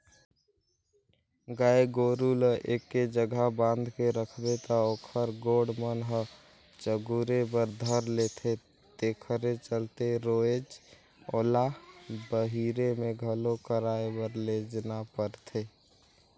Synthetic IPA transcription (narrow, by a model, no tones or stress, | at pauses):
ɡaeɡoɾulʔekːed͡ʒəɡʱabãnd̪ʱkeɾəkʰbet̪ɔokʰəɾɡoɽmənɦə | t͡ʃəɡuɾebəɾd̪ʱəɾlet̪ʰe | t̪ekʰəɾet͡ʃəlt̪eɾoed͡ʒ | olabəɦiɾemeɡʱəlokəɾaebəɾled͡ʒnapəɾt̪ʰe